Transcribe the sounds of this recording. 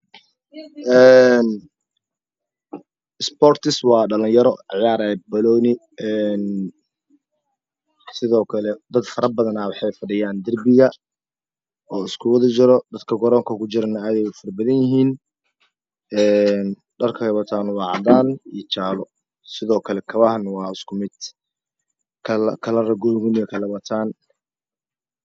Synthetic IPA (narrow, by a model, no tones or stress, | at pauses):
ʔɛːn | ɪspɔːrt̪ʰɪswɑːɖɐlɪnjɐɾɔʕjaːɾabɐlɔːnɪ | ɛːn | sɪðɔːkʰɐlɛd̪ɐd̪fɐɾɐbɐðɐnaːwɑħɑjfɐɖɪjaːnd̪ɐrbɪɣɐ | ɔːɪskʰʊwɐðɐt͡ʃɪɾɔd̪ɐd̪kʰɐɡɔɾɔːŋkʰɐkʰʊt͡ʃɪɾɐnɐaːðɛjʊfɐrbɐðɐnjɪɦiːn | ɛːn | ɖɐrkʰɐhɐβɐt̪ʰaːnwɑːʕɑd̪aːnijt͡ʃaːlɔ | sɪðɔːkʰɐlɛkʰɐβɐhɐnwɑːɪskʰʊmɪd̪ | kʰɐlkʰɐlɐrɐɡɔːɡʊnɪɐkʰɐlɐβɐt̪ʰaːn